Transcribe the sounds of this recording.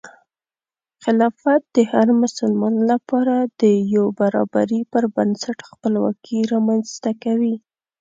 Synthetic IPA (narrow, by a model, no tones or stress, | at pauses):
xɪlɑfat̪̚d̪əhaɾmʊsəlmɑnlapɑɾad̪əjobaɾɑ̰ba̰ɾipəɾbansaʈxpəlwɑ̰kʰiɾɑmanzt̪akawi